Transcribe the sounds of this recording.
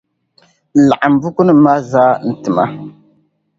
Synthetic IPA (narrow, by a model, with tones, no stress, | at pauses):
la˨ʔa˨m˨bu˦ku˦n˦ma˦zaː˦n̩˨tɨ˨ma̰˦